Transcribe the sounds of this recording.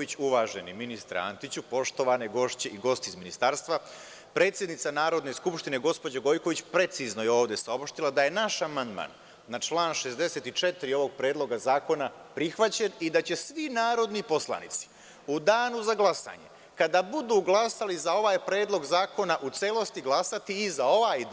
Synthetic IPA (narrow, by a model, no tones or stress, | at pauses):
it͡ɕuʋaːʒeniminist̪ɾa̰a̰nt̪it͡ɕupo̞ʃt̪o̞ʋaneɡo̞ʃt͡ɕeiɡo̞st̪iizminist̪aːɾst̪ʋa | pɾe̞ːt̪sjed̪nit̪sanaːɾo̞d̪ne̞skupʃt̪ine̞ɡo̞spo̞d͡ʑaɡo̞jko̞ʋit͡ɕpɾe̞t̪sizno̞jeo̞ːʋd̪e̞saopʃt̪ilad̪aje̞naʃamand̪ma̰ːnː | at͡ʃlˠaːnʃe̞zd̪e̞se̞ːt̪it͡ʃet̪ɾio̞ʋo̞ɡ̚pɾe̞ːd̪lˠo̞ɡazaːko̞na | pɾixʋat͡ɕenid̪at͡ɕe̞sʋinaːɾo̞d̪nipo̞slˠa̰nḭt̪si̥ | ud̪aːnuzaɡlˠasa̰ɲe̞̰ | kad̪abud̪uːɡlˠasalizao̞ʋaːjpɾe̞ːd̪lˠo̞ɡzaːko̞naʔut̪selˠo̞st̪iɡlˠasat̪iːzao̞ʋaːj̪